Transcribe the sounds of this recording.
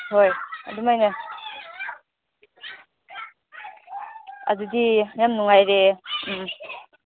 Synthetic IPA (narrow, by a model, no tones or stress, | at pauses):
hojadumajnɯ | a̰dudijamnuŋajɾe